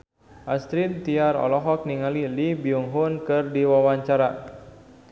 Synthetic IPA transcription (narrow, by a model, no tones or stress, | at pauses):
ʔast̪ɾit̪̚t̪iaɾɔ̰lɔɦɔk̚niŋalilibiuŋɦunkɨrdiwawaɲt͡ʃaɾa